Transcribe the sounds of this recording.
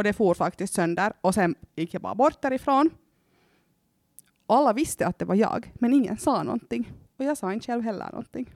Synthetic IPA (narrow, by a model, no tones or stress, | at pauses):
ɔd̪ɛfoːɾfakt̪ɪst̪sœnd̪əɾɔsɛnjɪkːjɑbɑ̰ːɾabɔɾt̪̚d̪æːɾɪfɾoːn | ɔalːaʋɪst̪əɑt̪̚d̪ɛʋaɾjɑ̰ːɡmɛnɪŋːə̰nsɑːnɔ̰nt̪ɪŋ | ɔjɑːɡsɑːɪnʃɛlʋɦɛlːə̰nɔ̰nt̪ɪŋ